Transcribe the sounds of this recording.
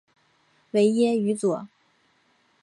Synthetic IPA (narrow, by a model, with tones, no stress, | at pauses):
we˧˥ɪjɛ˥y˧˥t͡swɔ˨˩˦